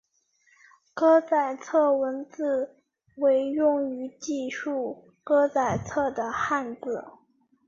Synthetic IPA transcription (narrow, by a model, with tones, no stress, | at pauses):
kɤ˥t͡sa˨˩ɪt͡sʰɤ˥˩wə˧˥nt͡sɹ̩˥˩ | we˧˥ɪjʊ˥˩ŋy˧˥t͡ɕi˥˧ʂu˥˩ | kɤ˥t͡sa˨˩ɪt͡sʰɤ˥˩d̪ə˩xa˥˧nt͡sɹ̩˥˩